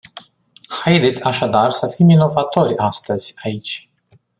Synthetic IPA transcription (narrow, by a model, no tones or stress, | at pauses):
hajd̪et̪sʲaʃad̪arsəfimino̞vat̪o̞rʲast̪əz̥ʲait͡ʃʲ